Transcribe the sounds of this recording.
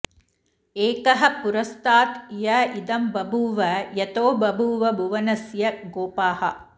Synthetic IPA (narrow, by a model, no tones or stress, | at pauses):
eːkɐɦɐ̆puɾɐst̪aːt̪jɐid̪ɐmbɐbʱuːʋɐjɐt̪oːbɐbʱuːʋɐbʱuʋɐnɐsjɐɡoːpaːhɐ